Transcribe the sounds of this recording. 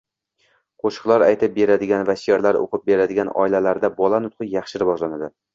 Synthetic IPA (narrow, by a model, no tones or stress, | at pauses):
qʰoʃɨ̥qlˠaɾajt̪ʰɪp̚be̞ɾad̪ɪɡʲanvaʃjɒɾlaɾo̰qɨp̚be̞ɾad̪ɪɡʲanɒ̰ɪlalaɾd̪abɒlˠanʊt̪̚qʰɨjɑχʃɪɾɪvɒʒlanad̪ɪ